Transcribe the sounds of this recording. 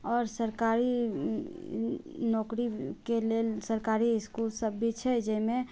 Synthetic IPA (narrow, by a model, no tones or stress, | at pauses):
ɔːɾsəɾkaːɾi | nɔːkɾikeleːlsəɾkaːɾiɪskuːlsəbːit͡ʃʰɛd͡ʒɛmẽ